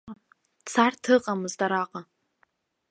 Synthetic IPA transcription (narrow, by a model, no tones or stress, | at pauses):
t͡sʰartʰɨqʼamɨzdaɾaqʼa